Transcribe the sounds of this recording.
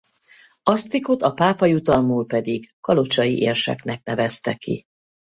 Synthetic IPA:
ɒst̪ikot̪ɒpaːpɒjut̪ɒlmuːlpɛd̪iɡkɒlo̞t͡ʃɒjḭʔeːrʃɛ̰knɛknɛvɛst̪ɛkḭ

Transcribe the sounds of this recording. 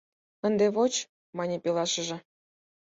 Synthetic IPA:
ə̆nd̪eβot͡ɕ | mɑnʲepilɑʃə̆ʒɤ̆

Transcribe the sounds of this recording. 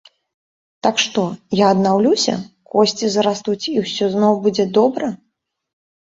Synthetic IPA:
t̪akʂt̪ɔjaɐd̪nawlʲusʲɐ̰kɔsʲt͡sʲizɐɾast̪ut͡sʲiwsʲɔznɔwbud͡zʲɛd̪ɔbɾɐ

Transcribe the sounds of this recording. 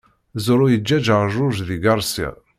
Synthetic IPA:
zʊɾʊjəd͡ʒːæd͡ʒˤʒʊʒðiɡɑɾˤsḭ

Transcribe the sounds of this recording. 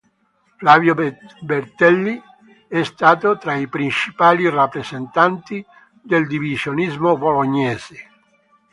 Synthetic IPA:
flavjobert̪ɛlːi | ɛst̪aːt̪ot̪ɾaipɾint͡ʃipaːlirapːɾezent̪ant̪i | d̪eld̪ivizjonizmoboloɲːɛːze

